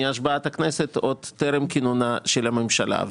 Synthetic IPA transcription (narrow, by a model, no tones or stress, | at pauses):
aʃ̬baat̪hakneset̪od̪tːeɾemkinonaʃelamemʃala̰